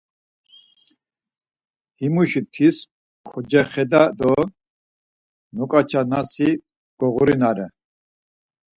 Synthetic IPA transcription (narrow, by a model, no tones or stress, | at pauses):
himuʃit̪ʰis | kʰɔd͡ʒɛχɛd̪ad̪ɔ | nɔkʼat͡ʃʰanasi | ɡ̥ɔɣuɾinaɾɛ